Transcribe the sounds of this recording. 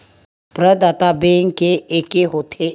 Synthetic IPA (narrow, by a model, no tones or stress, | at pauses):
pɾəd̪aːt̪abẽːŋkeeːkeɦot̪ʰe